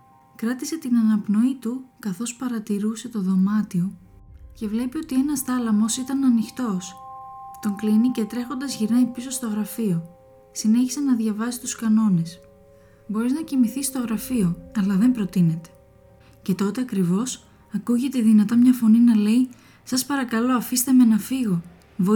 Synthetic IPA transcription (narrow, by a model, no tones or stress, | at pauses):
kɾɐt̪ise̞t̪inɐnɐpno̞it̪ukɐθo̞spɐɾɐt̪iɾuse̞t̪o̞ðo̞mɐt̪io̞ce̞vle̞pio̞t̪ie̞nɐsθɐlɐmo̞sit̪ɐnɐnixt̪o̞st̪o̞ŋklinice̞t̪ɾe̞xo̞nd̪ɐzʝiɾnɐipiso̞st̪o̞ɣɾɐfio̞ | sine̞çisenɐðʝɐvɐsist̪uskɐno̞ne̞s | bo̞ɾiznɐcimiθist̪o̞ɣɾɐfio̞ɐlɐðe̞mpɾo̞t̪ine̞t̪e̥ | ce̞t̪o̞t̪e̞ɐkɾivo̞s | ɐkuʝe̞t̪e̞ðinɐt̪ɐmɲɐfo̞ninɐle̞i | sɐspɐɾɐkɐlo̞ɐfist̪e̞me̞nɐfiɣo̞ | vo